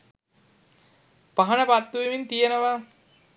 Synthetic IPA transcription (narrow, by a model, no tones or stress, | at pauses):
paɦɐnəpat̪ːuʋimint̪ijenəʋa